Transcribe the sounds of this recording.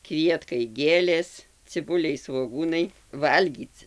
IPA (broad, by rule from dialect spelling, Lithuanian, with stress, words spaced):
ˈkʋʲiɛtkɐɪ ˈɡʲeːlʲeːs t͡sʲɪˈbʊlʲɛɪ sʋoːˈɡuːnɐɪ ˈʋɐlʲɡʲiːt͡s